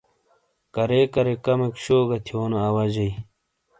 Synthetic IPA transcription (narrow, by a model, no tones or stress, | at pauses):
kɐɾeːkɐɾekɐmekɕoːɡɐt̪ʰioːnoɐwɐd͡ʑɐj